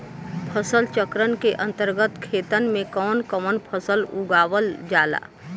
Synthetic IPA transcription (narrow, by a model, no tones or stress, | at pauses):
pʰəsəlt͡ʃəkɾənkeʔə̃nt̪əɾɡət̪kʰeːt̪ənmẽkɔːnkəmənpʰəsəlʊɡaːwəld͡ʒaːla̰ː